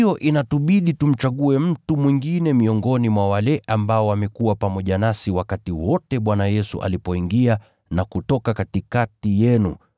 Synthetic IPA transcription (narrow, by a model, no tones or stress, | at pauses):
jɔʔinatuɓiɗitum̩t͡ʃaɠuɛm̩tumwiŋɡinɛmiɔŋɡɔnimwawalɛʔambaɔwamɛkuwapamɔʄanasiwakatiwɔtɛɓwanajɛsṵʔa̰lipɔiŋɡia | nakutɔkakatikatijɛnṵ